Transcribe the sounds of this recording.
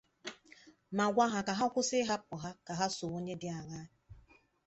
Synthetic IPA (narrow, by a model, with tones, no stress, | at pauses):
ma˨ɡʷa˦ɦa˨ka˨ɦa˦kʷʊ˦sɪ˦ɦa˦k͡pɔ˨ɦa˦ka˨ɦa˦so˨o˦ɲe˦dɪ˦a˨ɣa˦